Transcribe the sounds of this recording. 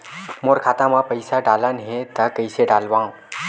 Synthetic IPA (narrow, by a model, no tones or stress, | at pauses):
moːɾkʰaːt̪ãmãpəɪsaɖaːlənɦẽt̪ɐkəɪseɖaːlʋãː